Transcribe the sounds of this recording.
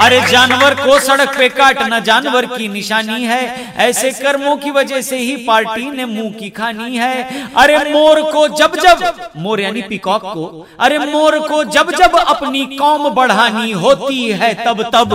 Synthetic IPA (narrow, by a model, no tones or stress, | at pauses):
ɐɾed͡ʒaːnʋəɾkosɐɽək̚peːkaːʈnɐd͡ʒaːnʋəɾkinɪʃaːniɦɛː | ɛːsekɐɾmõkiʋɐd͡ʒəɦseɦipaːɾʈinemũːkikʰaːniɦɛɐɾemoːɾkod͡ʒɐbd͡ʒɐbmoːɾjaːnipɪkɔːkːo | ɐɾemoːɾkod͡ʒɐbd͡ʒɐbɐpnikɔːmbɐɽ̤aːniɦoːt̪iɦɛːt̪ɐbt̪ɐb